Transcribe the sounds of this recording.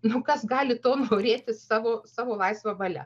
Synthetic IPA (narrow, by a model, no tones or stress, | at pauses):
nʊkɐsɡɑːlʲɪt̪oːnoːɾʲeːt̪ʲɪsɑːʋoːsɑːʋoːlˠɐɪsʋɐbɐlʲɛ̰